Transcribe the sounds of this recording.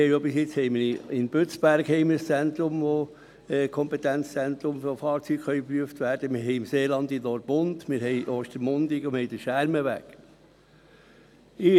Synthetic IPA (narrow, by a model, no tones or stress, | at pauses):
ɛɪobɪsjɪt͡shɛɪməɪnbøt͡sb̥æɾkhɛɪmɪɾəst͡sɛnt̪ɾʊmʋo | ɛːkʰɔmpɛt̪ænt͡st͡sɛnt̪ɾʊmfofɑːɾt͡syɡ̥χœʏpɾyəftʋæːɾd̥əmɪɾɦɛɪɪmseːlɑnd̪ɪnnɔɾb̥ʊndmɪɾhɛɪʔoːʃtəɾmʊndɪkʊmhɛɪd̥əʃæɾməʋæ̰k | ɪ